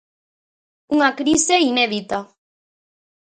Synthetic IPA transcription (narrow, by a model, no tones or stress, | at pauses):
uŋakɾiseineðit̪a